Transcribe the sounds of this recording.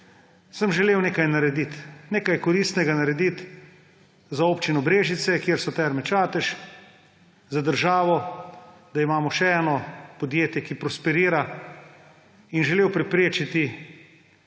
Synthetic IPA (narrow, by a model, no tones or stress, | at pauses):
səmʒɛleːwneːkajnaɾɛd̪it̪neːkajkɔɾist̪nɛɡanaɾɛd̪it̪ | zaoːpt͡ʃinɔbɾeːʒit̪sɛkjiːɾsɔt̪ɛɾmɛt͡ʃaːt̪ɛʃ | zad̪əɾʒaːʋɔ | d̪aimaːmɔʃɛɛːnɔpɔd̪jeːt̪jɛkipɾɔspɛɾiːɾa | inʒɛleːwpɾɛpɾeːt͡ʃit̪i